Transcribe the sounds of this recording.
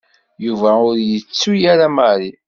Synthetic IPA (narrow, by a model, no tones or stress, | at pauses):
juvæʊɾjət͡sːujaɾamaɾi